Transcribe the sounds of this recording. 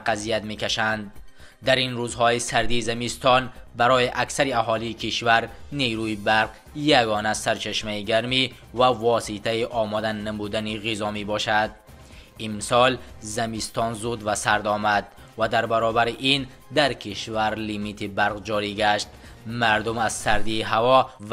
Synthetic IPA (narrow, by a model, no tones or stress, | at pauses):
qazijat̪mekaʃand̪ː | æɾinɾuzhɔisæɾd̪izamist̪ɔnbaɾɔjiʔaksaɾiaɦɔliːkʰiʃvaɾneɾuibaɾq | jaɡɔːnasaɾt͡ʃʰaʃmaiɡaɾmi | vævɒsit̪ʰaiʔɔmɔd̪anːamud̪æniʁizɔmebɔʃad̪̚ | imsɔlzamist̪ɔnzud̪vasaɾd̪ɔmad̪ | vad̪aɾbaɾɔbæɾiʔin | d̪aɾkʰiʃvaɾlimit̪ʰibaɾʁd͡ʒɔɾiɡaʃt̪̚ | maɾd̪umaz̥saɾd̪iɦavɔ